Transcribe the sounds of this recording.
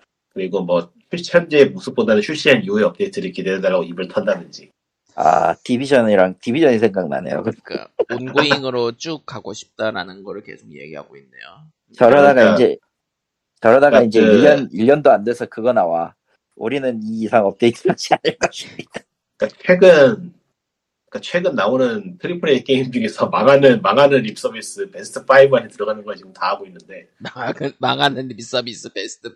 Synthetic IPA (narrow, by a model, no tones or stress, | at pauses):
kɯɾiɡomwʌ | ɕʰuɭɕihʌnd͡ʑeːmusʰɯp͈̚odanɯɕʰuɭɕ͈iɦaniɦueʌp̚t͈eis͈ɯɾikʰideɾɯdaɭːaɡoibɯɭtʰʌndanɯnd͡ʑi | a̰tibid͡ʑʰʌniɾaŋtibid͡ʑʰʌnisʰeŋɡak̚na̰ne̞̰jo̰kɯɲik͈a̰onɡoiŋɯɾot͡ɕ͈ukk͈aɡoɕʰi̥p̚t͈aɾa̰nɯnɡʌɾɯɭke̞̰sʰoɡ̚jḛɡiɦa̰ɡoinːḛjo | t͡ɕʌɾʌdaɡaid͡ʑe̞ | t͡ɕʌɾʌdaɡaind͡ʑe̞iʎːʌniʎːʌndoandesʰʌkɯɡʌnawa̰ | uɾinɯniːsʰaŋʌp̚k͈eit͡ɕad͡ʑianɯɭk͈ʌɕ͈ʰi̥mɲid̥a | ik͈at͡ɕʰwe̞ɡɯn | k͈at͡ɕʰwe̞ɡɯnːaonɯntʰɯɭːipʰoniek͈eimpʰiɡesʰʌmaŋɦanɯnmaŋɦanɯnɾip̚ʰs͈ʌbis͈ɯpe̞sʰɯ̥tʰɯpʰaibɯanʰetɯɾʌɡanɯnɡʌt͡ɕiɡɯmtaɦaɡoinːɯnde̞ | maŋaŋɯnmaŋanɯnɾips͈ʌbis͈ɯpesʰɯ̥tʰɯ